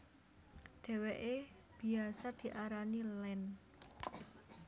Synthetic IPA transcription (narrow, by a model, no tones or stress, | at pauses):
ɖ̥ɛ̤weʔe | b̥i̤asad̪̥i̤ʔaɾanilɛn